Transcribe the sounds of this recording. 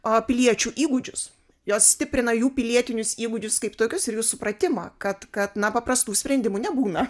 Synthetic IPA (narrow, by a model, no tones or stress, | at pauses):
ɐpʲɪlʲiɛt͡ʃʲuːʔiːɡʊd͡ʒʲʊs | joːssʲtʲɪpʲɾʲɪnɐjuːpʲɪlʲiɛt̪ʲɪnʲʊsiːɡʊd͡ʒʲʊskɐɪpt̪oːkʲʊsɪɾjuːsʊpɾɐt̪ʲɪmɑ̰ːkɐt̪kɐt̪nɐpɐpɾɐst̪uːsʲpʲɾʲɛnʲd̪ʲɪmunʲɛbuːnɐ